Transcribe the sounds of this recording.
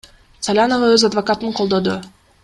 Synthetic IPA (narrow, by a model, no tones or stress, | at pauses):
t̪sɐlʲanoʁɑøzad̪vɐkat̪ɯɴqʰo̞lˠd̪o̞d̪ʊ